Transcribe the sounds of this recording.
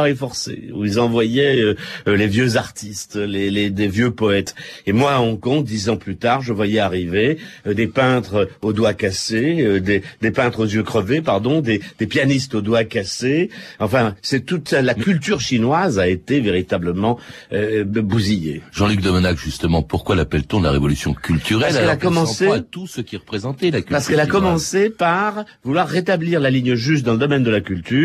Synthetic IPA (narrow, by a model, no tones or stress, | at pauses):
ʁɛjfɔʁsḛuilzɑ̃vwajɛølevjøzaʁt̪ʰist̪leled̪evjøpɔɛt̪emwaɔ̃kɔ̃d̪izɑ̃plyt̪aʁʒəvwajɛaʁived̪epɛ̃t̪χod̪wakaseød̪ed̪epɛ̃t̪χozjøkχəvepaʁd̪ɔ̃d̪ed̪̥epjanist̪od̪wakaseɑ̃fɛ̃sɛt̪ut̪alakʲylt̪yʁʃinwazaet̪eveʁit̪abləmɑ̃ | øbuzijḛʒɑ̃lyk̚d̪ɔmənakʒyst̪əmɑ̃puʁkwalapɛlt̪ɔ̃la̰ʁevɔlysjɔ̃kʲʰylt̪yʁɛslɛlakkɔmɑ̃set̪usəkʲiʁəpχezɑ̃t̪ɛlakʲpaʁsəkɛlakɔmɑ̃sepaʁ | vulwaʁːet̪abliʁlaliɲəʒyst̪̚d̪ɑ̃ləd̪ɔmɛnd̪əlakʲylt̪yː